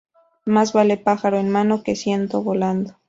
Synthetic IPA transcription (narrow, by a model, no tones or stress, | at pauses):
mazβale̞paxaɾo̞enmano̞ke̞sje̞nt̪o̞βo̞land̪o